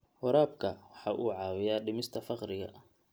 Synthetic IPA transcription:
hɔɾaːb̚kʰɐwɑħɑːʔuːʕɑːwɪjaːɖɪmɪst̪ʰɐfɑqrɪɣɐ̰ʔ

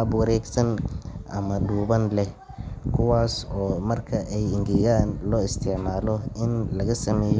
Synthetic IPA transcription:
bwɐɾɛːɡsɐnʔɐ̰mɐɖuːβɐnlɛh | kʰʊwaːsɔːmɐrkʰɐʔɛjɪŋɡɪɣaːnlɔːɪst̪ʰɪʕmaːlɔɪnlɐɣɐsɐmɛːj

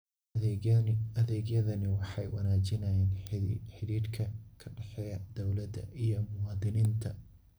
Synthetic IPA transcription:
ɐðɛːɡjɐðɐnɪwɑħɑjwɐnaːt͡ʃɪnɐjɛːnħɪɾiːɾkʰɐkʰɐɖɛħɛjɐd̪̥ɔwlɐd̪ɐ̰ʔijɔmʊwɑːðɪniːnt̪ʰɐ

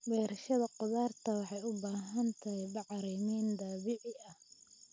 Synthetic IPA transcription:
bɛːɾɐʃɐðɐqʊðaːrt̪ʰɐwɑħɑjʊbaːɦɐnt̪ʰɐɦɛjbɑʕɾɛjmɛːnd̪aːβɪʕɪʔɐh

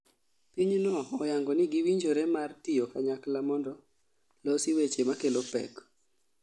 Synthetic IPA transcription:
piɲnɔɔjaŋɡɔnɪɡiwiɲd͡ʒoɾɛmartijokaɲaklamɔndɔ | losiwet͡ʃemakelopɛ̰k

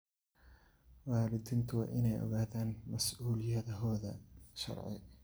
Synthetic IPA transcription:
waːlɪd̪ɪnt̪ʰʊwa̰ʔɪnɛjʔɔ̰ɣaːðaːnmɐsʔuːlɪjɐðɐɦɔːðɐ̰ʃɑ̰ɾˤʕɪ̰

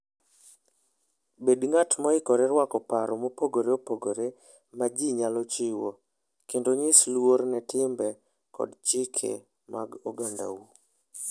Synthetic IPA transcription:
bedŋatmɔɪkɔɾɛɾwakɔpaɾɔmopoɡoɾeopoɡoɾe | mad͡ʒiɲalɔt͡ʃɪwo | kendoɲɪslwoɾnɛtɪmbɛ | kɔ̰dt͡ʃɪkʰḛ | ma̰ɡoɡanda̰wu

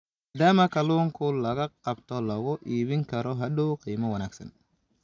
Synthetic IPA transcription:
d̪aːmɐkʰɐluːŋkʰʊlɐɣɐqɑbt̪ʰɔlɐɣʊʔiːβɪŋkʰɐɾɔɦɐɗuqiːmɐwɐnaːɡsɐ̰n

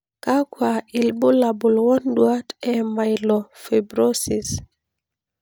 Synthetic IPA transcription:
kakwailbʊlabulwɔndwatɛmajlɔfebɾosis

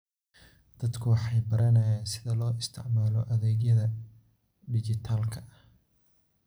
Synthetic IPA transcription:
d̪̥ɐd̪kʰʊwɑħɑjbɐɾɐnɐjaːnsɪðɐlɔːɪst̪ʰɪ̰ʕmaːlɔʔɐðɛːɡjɐðɐ | ɖɪt͡ʃɪt̪ʰaːlkʰɐʔɐh

